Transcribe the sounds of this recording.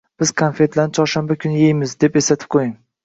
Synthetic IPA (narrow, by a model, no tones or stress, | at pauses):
b̥ɪz̥kʰanfe̞t̪ʰlanɪt͡ʃʰɒɾʃanbakʲʰʊnjejmɪzd̪e̞pesat̪ʰɪ̥p̚qʰojɪŋ